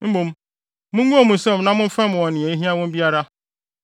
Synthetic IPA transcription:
m̩˦mũ˨m | mʊ̃˦ŋ˦ɡũ˦a˦˨mʊ̃˨sɛ˦˨mnã˦mʊ̃˦fɛ̃˦m˨ɔ̃˨n˨ɪ̃˨e˨i˦ɦĩ˦ã˦wɔ̃˦m˦bi˦a˦ɾa˦

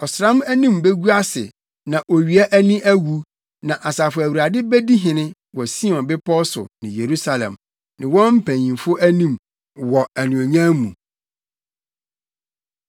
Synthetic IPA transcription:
ɔ˨sɾã˦mæ˦nĩ˦mbe˦ɡu˦a˦sɪ̰˨ | nã˨ʔo˨ɥi˨æ˦ʔæ˦nĩ˦ʔæ˦wu˦ | nã˨ʔa˨sa˨fʊ˨æ˨wu˨ɾa˨dɪ˦bæ˦di˦ɦɪ̃˨nɪ̃˦ | wɔ˨si˦ɔ̃˨nbɪ˦pʰɔ˦sʊ̰˨nɪ̃˨je˨ɾu˦sa˨lɛ̰̃˨m | nɪ̃˨wɔ̃˦m̩˦pʰæ̃˨ɲĩ˨nfʊ˦ʔæ˦nĩ˦m | wɔ˨æ˨nũ˨o˨ɲã˦mṵ̃˨

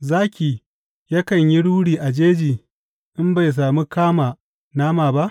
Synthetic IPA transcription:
zaː˦kʲiː˨ | jɐ˦kɐ˨ɲji˦ɽuː˦ɽiː˨ʔa˨d͡ʒeː˦d͡ʒiː˨ | ʔɪ˦mba˨js̬aː˨mi˦kaː˦maː˨ | naː˦maː˨ba˦ʔ

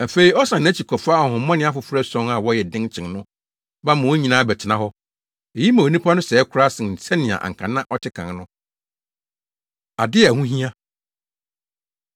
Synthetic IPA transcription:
æ˨fe˦i˨ɔ˦sã˨ñ˨˦t͡ɕʰi˨kʰɔ˨fa˦˨hʊ̃˨˦mɔ̃˦nɪ̃˦a˦fʊ˨fɾæ˦sɔ̃˦ŋa˨wɔ˦jɛ˨dɪ̃˦nt͡ɕʰɪ̃˨ŋnʊ̃˦ | bã˦mã˨wo˦ɲĩ˨nãː˦˨bɛ˨tʰɪ˨nã˦ɦɔ˦ | e˨ji˦mã˨o˨nĩ˦pʰa˦nʊ̃˦sɛː˨˦kʰʊ˦ɾa˦sɪ̃˨n̩˨sɛ˦nɪ̃˨a̰˨ʔã̰˨ŋ̩˨kʰã˨nã˦ʔɔ˦tʰɪ˦kʰã˨ŋ˦nʊ̃˦ | a˨dɪ˦˨hũ˦ɦĩ˦a˦

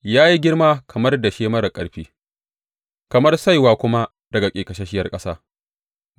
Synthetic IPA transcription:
jaː˦ji˦ɡʲɪ˦rmaː˦kʰɐ˨mɐ˦rda˨ʃeː˦mɐ˦ɾɐ˨kʼɐ˨ɽɸiː˦ | kɐ˨mɐ˦rsa˦jwaː˦kʷʊ˦ma˦ | d̥ɐ˨ɡa˨kʲʼeː˨kɐ˨ʃe˦ʃɪ˦jɐ˦rkʼɐ˦saː˦

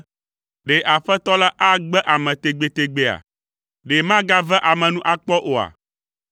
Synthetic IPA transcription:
ɖe˨ʔa˨ɸɛ˦t̪ɔ˦la˦ʔa˦ɡ͡bɛ˦ʔa˨mɛ̃˨t̪e˨ɡ͡be˨t̪e˨ɡ͡be˦a̰˨ | ɖe˨mã˦ɡa˦vɛ˦ʔa˨mɛ̃˨nũ˦ʔa˦k͡pɔ˦ʔo˨a̰˨

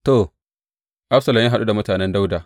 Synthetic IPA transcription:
to˨ | ʔa˦ɸsɐ˨lɐ˨mjaː˦ɦa˨ɗu˦da˨mʊ˦taː˨nɛ˦nda˦wda˨

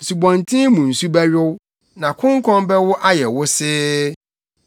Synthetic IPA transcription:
n̩˨su˨bɔ̃˨ntʰĩ˦mũ˨n̩˨su˦bɛ˦ɥɪ˦w | nã˨kʰʊ̃˦ŋ˦kʰɔ̃˦mbɛ˦wʊ˦ʔa˦jɛ˨wʊ˦sɪː˦

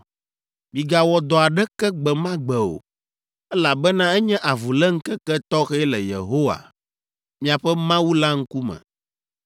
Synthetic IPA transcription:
bi˨ɡa˨wɔ˨d̪ɔ˨a˨ɖɛ˦kɛ˦ɡ͡bɛ˨mã˦ɡ͡bɛ˨o̰˨ | ɛ˦la˨bɛ˦nã˦ɛ˦ɲɛ̃˦ʔa˨vu˨lɛ˦ŋ̩˦kɛ˦kɛ˦t̪ɔ˦xɛ˦lɛ˨jḛ˨ɦo˦wa̰˨ | mĩ˨a˨ɸɛ˦mã˦wu˦la˦ŋ̩˦ku˦mɛ̰̃˨

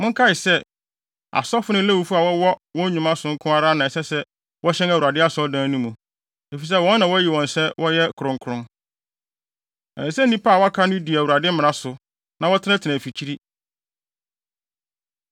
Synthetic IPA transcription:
mʊ̃˦ŋ̩˦kʰa˦ɪ˨sɛ˦ | a̰˨sɔ˦fʊ˦nʊ̃˦læ˦wu˨fu˦a˨wɔ˦wɔ˦wɔ̃˦ɲũ˨mã˦sʊ̃˨ŋ̩˦kʰʊ̃˦a˦ɾa˦nã˨ɛ˨sɛ˦sɛ˦ | wɔ˦ɕɛ̃˦næ˨wu˨ɾa˨dɪ˦a˦sɔ˦dãː˦nũ˦mũ˨ | e˨fi˨s̬ɛ˦wɔ̃˦nː˦ã˨wɔ˦æ˦ji˨wɔ̃˨nsɛ˦wʔɔ˦jɛ˦kʰʊ˨ɾʊ̃˦ŋkʰʊ˨ɾʊ̃˦ | ɛ̰̃˨nɪ̃˨sɛ˦n˦nĩ˦pʰa˦˨wɔ˦a˦kʰa˦nʊ̃˦di˨æ˨u˨a˨dɪ˦mɪ̃˨nã˦sʊ˨ | nã˨˦wɔ˦tʰɪ˦nã˦tʰɪ˨nã˨fi˨t͡ɕʰi˦ɾi˦

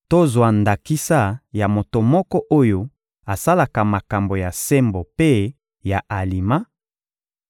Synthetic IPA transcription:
to˦zwa˨nda˨ki˦sa˦ja˨mo˨to˨mɔ˦kɔ˦ʔo˦jo˦ | a˨sa˦la˨ka˨ma˨ka˨mbo˨ja˨se˦mbo˨pe˦ | ja˨ʔa˨li˨ma˦

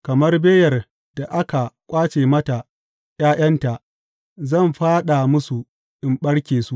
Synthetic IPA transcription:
kɐ˨mɐ˦rbeː˦jɐ˨r | d̥a˨ʔa˦ka˨kʷʼaː˦t͡ʃeː˨mɐ˦ta˨ | jaː˦j̰ɐ˦nta˨ʔ | zɐ˦˨mɸaː˦ɗa˨mʊ˦su˨ | ʔɪ˨mɓɐ˦ɽkʲeː˨su˦ʔ

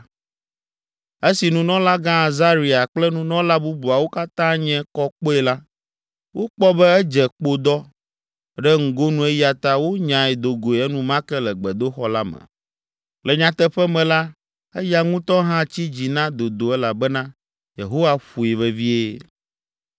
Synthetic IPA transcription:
e˦si˨nũ˨nɔ̃˦la˦ɡã˦a˨za˦ɾi˨a˨k͡plɛ˦nũ˦nɔ̃˦la˦bu˦bu˨a˨wo˦ka˦t̪ã˦ɲɛ̃˦kɔ˦k͡po˦ɛ˨la˦ | wo˦k͡pɔ˦bɛ˦ɛ˦d͡ʒɛ˨k͡po˦d̪ɔ˦ | ɖɛ˦ŋ̩˨ɡo˦nũ˨ɛ˦ji˦a˨t̪a˦wo˦ɲã˨ɛ˨d̪o˨ɡo˨e˨ɛ˦nũ˨mã˦kɛ˦lɛ˨ɡ͡bɛ˨d̪o˦xɔ˦la˦mɛ̰˨ | lɛ˨ɲã˨t̪ɛ˦ɸɛ˦mɛ̃˨la˦ | ɛ˦ja˦ŋũ˦t̪ɔ̃˦ɦã˦t͡ɕi˦d͡ʑi˨nã˦d̪o˨d̪o˨ɛ˦la˨bɛ˦nã˦ | je˨ɦo˦wa˦ɸu˨e˨vɛ˨vi˦e˦

